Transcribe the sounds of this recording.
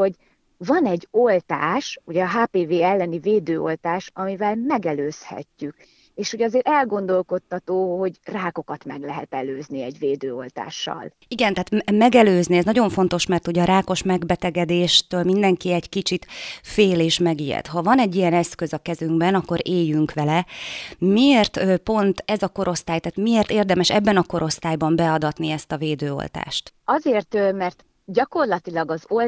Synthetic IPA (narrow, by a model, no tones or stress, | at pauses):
o̞ɟ | vɒnɛɟːo̞lt̪aːʃuɟɛɒɦaːpeːveːɛlːɛniveːd̪øːo̞̰lt̪aːʃɒmivɛlmɛɡɛløːshɛ̰cːyk | eːʃho̞ɟɒzeːɾɛlɡo̞nd̪o̞lko̞t̪ːɒt̪oːho̞ɟraːko̞kɒt̪mɛɡlɛɦɛt̪ɛløːzniɛɟveːd̪øːo̞̰lt̪a̰ːʃːɒ̰l | iɡɛnt̪ɛɦːt̪mɛɡɛløːzniɛznɒɟo̞ɱfo̞nt̪o̞ʃmɛrt̪oɟɒɾʔaːko̞ʃmɛɡbɛt̪ɛɡɛd̪eːʃt̪øːlmind̪ɛŋkiɛɟkit͡ʃit̪feːleːʃmɛɡijɛ̰t̪hɒvɒnɛɟːijɛnɛskø̞zɒkɛzyŋɡbɛnɒkːo̞ɾeːjːyŋkʋɛlɛmieːrt̪øpo̞nt̪ɛzɒko̞ɾo̞st̪aːjt̪aːt̪mieːrt̪eːrd̪ɛmɛʃɛ̰bːɛnɒko̞ɾʔo̞st̪aːjbɒmbɛɒd̪ɒt̪niɛst̪ɒveːd̪øːo̰lt̪a̰ːʃt̪ɒzeːrt̪mɛrt̪ | ɟɒko̞rlɒt̪ilɒɡɒzol